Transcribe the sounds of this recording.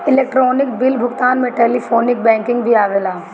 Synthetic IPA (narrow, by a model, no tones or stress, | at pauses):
ɪleːk̚ʈɾɔːnɪk̚bɪlbʱʊɡt̪aːnmẽʈeːlifʰoːnɪk̚bɛ̃ːŋkɪ̃ŋɡbʱiaːʋeːlaː